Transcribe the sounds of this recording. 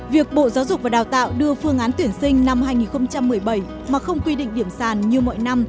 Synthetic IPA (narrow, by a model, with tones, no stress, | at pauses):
vi˨˩ək̚ɓo̰˧˨zaː˨˦wzʊ˨˩k͡p̚vaː˨˩ɗaː˨˩wt̪a̰ː˧˨wɗɨ˧əfɨ˧əŋʔaː˨˦nt̪wi˧˩ənsï˧ŋ̟na˧mhaː˧jŋi˨˩nxə˧wŋ͡mt͡ɕa˧mːɨ˨˩əjɓə˧˩j | maː˨˩xə˧wŋ͡mkwi˧ɗḭ̈˧˨ŋ̟ɗi˧˩əmsaː˧˨˩nɲɨ˧mɔ̰˧˨jna˧m